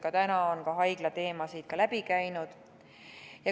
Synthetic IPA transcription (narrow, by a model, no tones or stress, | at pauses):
kɑt̪ænɑonkɑɦɑjɡ̥lɑt̪e̞ːmɑsid̪̚kɑlæb̥ikæjnud̪̥ | jɑ